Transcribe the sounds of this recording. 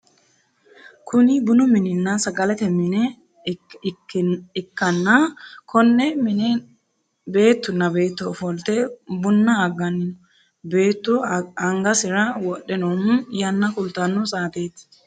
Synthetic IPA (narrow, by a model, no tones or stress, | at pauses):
kʊnɪbʊnʊmɪnɪnːɐsɐɡɐlɛt̪ɛmɪnɛ | ɪkːɐnːɐkʰɔnːɛmɪnɛ | be̞ːt̪ːʊnːɐbe̞ːt̪ːɔːfɔlt̪ɛbʊnːɐːɡɐnːʊ | beːt̪ːʊɐŋɡɐsɪɾɐwɔɗːɛnomjɐnːɐkʊlt̪ːɐnːʊsaːt̪eːt̪